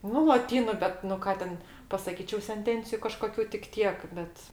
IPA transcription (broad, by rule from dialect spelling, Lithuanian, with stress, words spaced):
ˈnʊ lˠoːˈtʲiːnʊ ˈbʲɛt nʊ ˈkɑː tʲɛn pɐsɐˈkʲiːt͡ʃʲɛʊ sʲɛnʲˈtʲɛnʲt͡sʲɪjʊ kɐʃkoːˈkʲuː tʲɪk ˈtʲiɛk ˈbʲɛt